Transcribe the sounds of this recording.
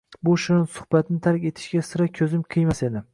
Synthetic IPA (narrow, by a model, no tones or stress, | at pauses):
bʊʃʊnɪnsʊ̥hbat̪nɪt̪ʰaɾkʲe̞t̪ʰɪ̥ʃɡʲasɪɾakʲʰɵzɪmqʰɨjmase̞d̪ɪ